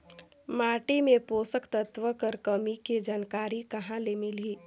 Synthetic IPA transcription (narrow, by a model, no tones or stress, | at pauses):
maːʈemẽpoːsəkt̪ət̪ʋəkəɾkəmiked͡ʒaːnkaːɾikɐɦãlemɪliː